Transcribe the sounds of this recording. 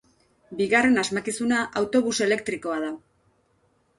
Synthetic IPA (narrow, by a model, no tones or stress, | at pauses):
biɣare̞nazmakisunaʔawt̪o̞βuse̞le̞kt̪ɾiko̞aða